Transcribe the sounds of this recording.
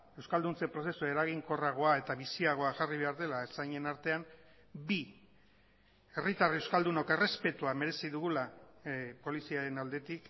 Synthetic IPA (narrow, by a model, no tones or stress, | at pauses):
e̞wskald̪unt͡se̞pɾo̞se̞sue̞ɾaɣ̞iŋko̞raɣ̞o̞ae̞t̪aβisiaɣ̞o̞aʝariβe̞aɾðe̞laesajɲe̞naɾt̪e̞am | bi | e̞rit̪arewskald̪unoke̞re̞spe̞t̪uame̞ɾe̞siðuɣula | po̞lisiaɾe̞nald̪e̞t̪ik